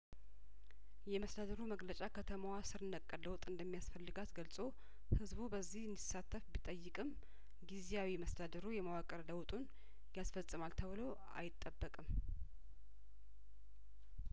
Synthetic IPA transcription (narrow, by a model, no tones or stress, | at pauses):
jɛməsd̪ad̪əɾuməɡlət͡ʃʼakʰət̪ʰəmawasɨɾɨnəkʼːələwt̪ʼɨnd̪əmːijasfəlːɨɡat̪ɡəlsʼo̞ | hɨzbubəzːihɨnd̪isːat̪ʰːəfbit̪ʼəjːɨkʼɨm | ɡizejawiməsd̪ad̪əɾujɛməwakʼəɾləwt̪ʼun | jasfəsʼːɨmalt̪ʰəβɨlo̞ | a̰jɪt̪ʼːəbːəkʼɨm